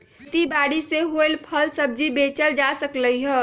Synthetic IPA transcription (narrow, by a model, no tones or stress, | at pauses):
t̪ibaɽiseɦoelpʰəlsəb̚d͡ʒibet͡ʃəld͡ʒasəkləjɦə